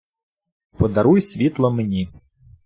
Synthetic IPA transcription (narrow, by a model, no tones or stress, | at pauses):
pɔd̪ɐɾujsʲʋʲit̪lˠɔmenʲi